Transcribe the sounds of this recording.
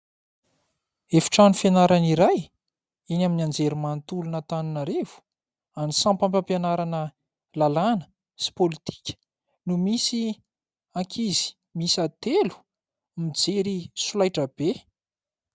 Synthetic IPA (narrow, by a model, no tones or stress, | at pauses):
efi̥ʈ͡ʂanufenaɾaniɾaj | inaminand͡zeɾimant̪ulunət̪anunaɾev̥u̥ | anisãmpãmpãmpenaɾanə | lalanə̥ | si̥polit̪i̥kʲə̥ | numisi | aŋkʰizi̥ | misat̪elu̥ | mid͡zeɾisulajʈ͡ʂəb̥e